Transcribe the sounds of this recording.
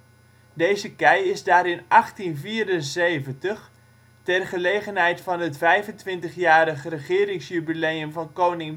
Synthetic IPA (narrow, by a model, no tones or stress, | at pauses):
deːzəkɛjɪzdaːɾɪnɑχtinviːɾənzeːvəntəχ | tɛrχəleːɣənɦɛjtfɑnətfɛjvəntʋɪntəχjaːɾəχərəχɪːɾɪŋsjybilejəmvɑnkownɪŋ